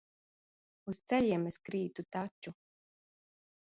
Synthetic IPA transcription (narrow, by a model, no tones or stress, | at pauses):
ust̪sɛʎʲiɛmeskɾiːt̪ut̪at͡ʃːu